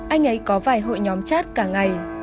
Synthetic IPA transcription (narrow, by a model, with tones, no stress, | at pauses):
ʔa˧jŋ̟ʔə˨˦jkɔ˨˦vaː˧˩jɦo̰˧˨jɲɔ˨˦mt͡ɕaː˦˥t̚kaː˧˩ŋa˨˩j